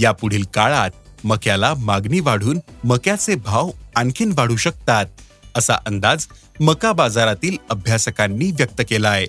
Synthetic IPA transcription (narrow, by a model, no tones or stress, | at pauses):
japuɽ̤iːlkaɭat̪̚məkjalamaɡniːʋaɽ̤uːnməkjat͡sebʱaʋãŋkʰiːnʋaɽ̤uːɕək̚t̪at̪̚ | əsa̰ʔənd̪ad͡z | məkabad͡zaɾat̪iːləbʱjasəkanːiːʋjək̚t̪əkelaje